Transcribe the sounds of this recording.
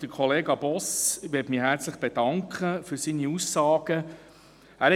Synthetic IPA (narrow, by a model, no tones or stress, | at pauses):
d̥əkʰɔleːɡɑb̥ɔsʋɪtmiːɦæːɾt͡sləχb̥ed̥ɑŋkʰχəfyɾsiːniusːɑːɡ̥ə | æːɾhɛ